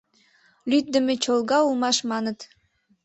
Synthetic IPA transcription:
lʲyt̪̚d̪ɘ̆met͡ɕolˠɡɑulˠmɑʃmɑnɤ̆t̪

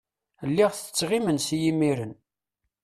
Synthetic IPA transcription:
lːiʁθə̥t͡sːʁimənsjimiɾən

